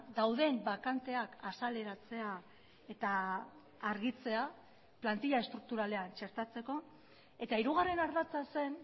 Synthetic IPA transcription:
d̪awðe̞mbakant̪e̞akasale̞ɾat͡se̞a | e̞t̪aː | ɾɣit͡se̞a | plant̪iʎaest̪ɾuk̚t̪uɾale̞ant͡ʃe̞ɾt̪at͡se̞ko̞ | e̞t̪aiɾuɣare̞naɾðat͡sase̞n

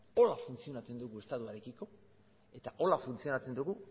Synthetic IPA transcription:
o̞lafunt͡sio̞nat͡se̞nd̪uɣue̞st̪at̪uaɾe̞kiko̞ | e̞t̪aʔo̞lafunt͡sio̞nat͡se̞nd̪uɣu

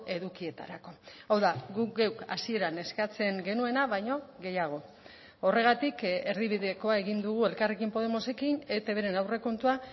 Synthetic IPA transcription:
e̞ðukie̞t̪a̰ɾako̞awðaɡukɡe̞wkasie̞ɾane̞skat͡se̞ŋɡe̞nue̞naβajɲo̞ɣe̞jaɣ̞o̞ | o̞re̞ɣ̞at̪ike̞ɾðiβiðe̞ko̞ae̞ɣ̞ind̪uɣ̞ue̞lkarekimpo̞ð̞e̞mo̞se̞kine̞t̪eβeɾe̞nawre̞ko̞nt̪ua

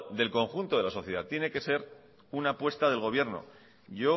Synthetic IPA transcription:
d̪e̞lko̞ŋxunt̪o̞ðe̞laso̞θje̞ð̞at̪je̞ne̞ke̞se̞ɾ | unapwe̞st̪aðe̞lɣ̞o̞β̞je̞ɾno̞̰ | ʝo̞

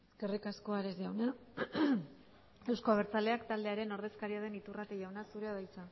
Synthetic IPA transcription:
eske̞rikasko̞aɾeziawna | e̞wsko̞aβeɾt͡sald̪e̞akt̪ald̪e̞aɾe̞no̞ɾð̞e̞skaɾiað̞e̞nit̪urat̪eʝawnasuɾeaðajt͡sa

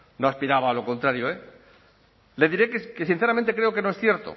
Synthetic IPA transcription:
noaspiɾaβaːlo̞ko̞nt̪ɾaɾjoe | le̞ðiɾekekesin̟θeament̪ekɾe̞o̞keno̞esθje̞ɾt̪o̰

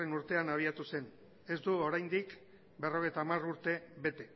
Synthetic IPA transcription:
enuɾt̪e̞anaβ̞iat̪use̞n | e̞zd̪uo̞ɾajnd̪ik | be̞ro̞ɣ̞e̞jt̪aːmaruɾt̪e̞βe̞t̪e̞

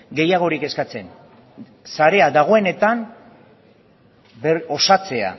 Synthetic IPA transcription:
ɡe̞jaɣ̞o̞ɾike̞skat͡se̞n | saɾe̞aðaɣ̞o̞e̞ne̞t̪an | beo̞sat͡se̞a̰

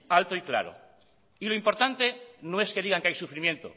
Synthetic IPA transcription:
alt̪oikla̰ɾo̰ | ilo̞impo̞ɾt̪ant̪e̞no̞e̞ske̞ðiɣaŋkeajsufɾimjẽ̞nt̪o̰

